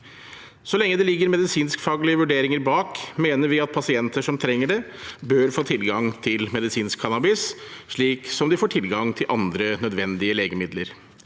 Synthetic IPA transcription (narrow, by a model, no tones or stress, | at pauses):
sɔlɛŋːəd̪ɛlɪɡːəɾmɛd̪ɪsiːnskfɑːɡlɪəʋʉɖeːɾɪŋəɾbɑːkmeːnəɾʋɪɑt̪̚pʰɑsɪɛnt̪əʂɔmt̪ʰɾɛŋːəɖɛbøɾfoːt̪ʰɪlɡɑŋt̪ʰɪlmɛd̪ɪsiːnskkʰɑnɑbɪsʂɭiːksɔmd̪ɪfoːʈʰɪlɡɑŋt̪ʰɪlʔɑnd̪ɾənœd̪ʋɛnd̪ɪəleːɡəmɪd̪ləɾ